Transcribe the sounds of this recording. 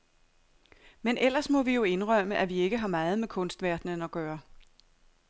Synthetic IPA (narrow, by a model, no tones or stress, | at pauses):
menʔel̰ɐsmɒ̽ʋijo̝e̝nʁɶm̰əʔæʋie̝ɡ̥əɦɑ̈mɑ̈ːð̞̩ˠmekʰɔ̽nsd̥ʋæɐd̥nənɒ̽ɡ̥ɶːɐ